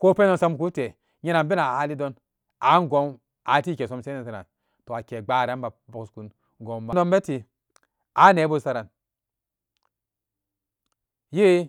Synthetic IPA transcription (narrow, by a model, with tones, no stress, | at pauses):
ko˦pe˦no˦nsa˦mku˦te˨ | ɲe˦na˨nbe˦na˨a˨˦li˦do˦n | a˨˦n˦˨ɡo˦m | a˨˦ti˦ke˨so˦mse˦e˨sa˨na̰˨n | to˨a˨ke˨ɡ͡ba˦˨ɾa˨˦nba˨bo˨ksku˨n | ɡo˨ba˨no˦mbe˦ti˨ | a˦ne˨˦bo˦sa˦ɾa˨n | je˦